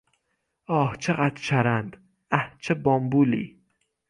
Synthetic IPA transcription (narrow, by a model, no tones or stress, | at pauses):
ɒːht͡ʃʰeɣæt̪t͡ʃʰæɾænd̪ | æht͡ʃʰebɒmbuːlḭː